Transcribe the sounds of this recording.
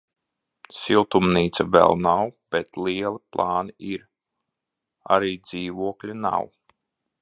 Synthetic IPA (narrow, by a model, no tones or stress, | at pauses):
silˠt̪umniːt̪savɛ̰lˠnawb̥ɛt̪liɛlˠiplˠaːniiɾ | a̰ɾiːd̪ziːvuɔklʲina̰w